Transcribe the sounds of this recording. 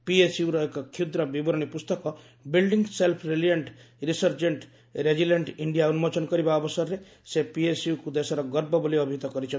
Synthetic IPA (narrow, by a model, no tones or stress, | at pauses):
piesjuɾɔekɔkʰjud̪ɾɔbibɔɾɔɽ̃ipust̪ɔkɔ | bilɖiŋɡselpʰɾelieɳʈ | ɾisɔɾd͡ʒeɳʈ | ɾed͡ʒileɳʈiɳɖijaunmɔt͡ʃɔnkɔɾibaɔbɔsɔɾːe | sepiesjukud̪esɔɾɔɡɔɾbɔbɔliɔbʱit̪ɔkɔɾit͡ʃʰɔ